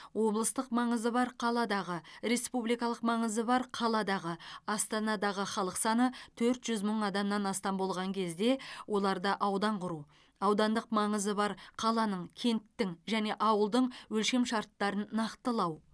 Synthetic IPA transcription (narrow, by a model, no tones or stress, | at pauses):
wo̞blˠəst̪əqmɑɴəzəbɑɾqʰɑlˠɑd̪ɑʁəɾe̞spublijkɑlˠəqmɑɴəzəbɑɾqʰɑlˠɑd̪ɑʁəɑst̪ɑnɑd̪ɑʁəχɑlˠəqsɑnət̪ʰɵɾt̪ʒ̥ʏzməɴɑd̪ɑmnɑnɑst̪ɑmbo̞lˠʁɑŋkʲʰe̞zd̪e̞wʔo̞lˠɑɾd̪ɑʔɑwd̪ɑɴqʰʊɾu | ɑwd̪ɑnd̪əqmɑɴəzəbɑɾqʰɑlˠɑnəɴkʲʰe̞nt̪ːɪŋʒæne̞ʔɑwəlˠd̪əɴwɵlʃe̞mʃɑɾt̪ːɑɾənːɑqt̪əlˠɑw